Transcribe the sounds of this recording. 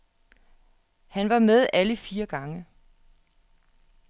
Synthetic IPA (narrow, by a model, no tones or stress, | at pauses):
hænʋɑ̈með̞ˠʔæləfiːɐɡ̥ɑ̈ŋə